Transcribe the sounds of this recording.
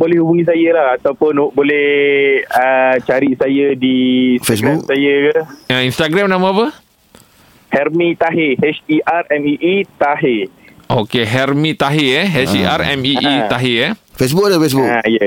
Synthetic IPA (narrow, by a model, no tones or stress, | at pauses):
bolɛhhubuŋĩs̬ajəlahat̪awpʊnobolɛ | ət͡ʃaɾiʔsajədiːsfeas̬ɡbuksajəkəainst̪aɡɾamnãmãapə | hɛrmĩt̪aɦehɛt͡ʃiʔarɛmiʔit̪aɦe | ʔo̰keɦɛrmĩt̪aɦeɛɦɛiʔarɛ̰miʔit̪aɦeafes̬buk̚dafes̬bukaijə